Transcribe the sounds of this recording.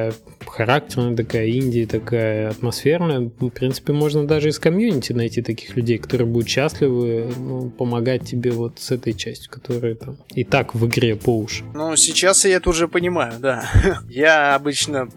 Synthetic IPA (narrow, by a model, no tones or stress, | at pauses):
jə | xɐɾak̚tʲɪrnəjət̪ɐkajəinʲdʲɪət̪ɐkajəɐt̪mɐsfʲe̞rnəjəfpɾʲint̪sɨ̥pʲɪmo̞ʐnəd̪aʐɨɪskɐmjunʲɪtʲɪnɐjtʲit̪ɐkʲi̥xlʲʉdʲejkɐt̪o̞ɾɨjəbud̪ʊt̪ɕːæsʲlʲɪvɨnupəmɐɡat̚ʲtʲːɪbʲe̞vo̞t̪sɛt̪əjt͡ɕæsʲtʲjʊ̥kɐ̥t̪o̞ɾɨjət̪am | ɪt̪akvɨɡɾʲe̞poʊʂɨ̥nusʲɪt͡ɕasjaɛt̪ʊʐɛpənʲɪmajʊd̪ajaɐbɨt͡ɕnə